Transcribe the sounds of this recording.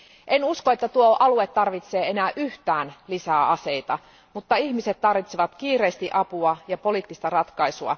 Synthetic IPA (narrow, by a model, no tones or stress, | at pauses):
ʔenuskoe̞t̪ːæt̪uoʔɑluet̪ːɑrʋit̪se̞ːe̞næːʔyht̪æːnlisæːʔɑse̞it̪ɑ | mut̪ːɑihmise̞t̪t̪ːɑrʋit̪seʋɑt̪k̟iːɾe̞ːst̪iʔɑpuɑjɑpo̞liːt̪ːist̪ɑrɑt̪kɑisuɑ̰